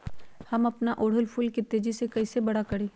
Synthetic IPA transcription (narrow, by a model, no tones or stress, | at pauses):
hɐmɐpnaʔoːɽ̤ʊlpʰʊlket̪eːd͡ʒisekɐisebɐɽakɐɽeː